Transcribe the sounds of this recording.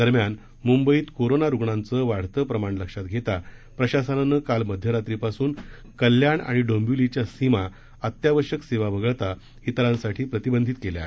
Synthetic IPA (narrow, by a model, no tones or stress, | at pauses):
d̪̥əɾmjan | mumbəiːt̪koɾonaɾuɡɳant͡səʋaɽ̤t̪əpɾəmaɳləkʂat̪̚ɡʱet̪apɾəɕasənanːəkalməd̪ʱjəɾat̪ɾipasuːn | kəljaɳa̰ɽ̃iɖəmbjulit͡ɕjasima | ət̪jaʋəɕəkseʋaʋəɡəɭt̪a | it̪ɾãnsaʈʰiːpɾət̪ibənd̪ʱit̪kelja̰e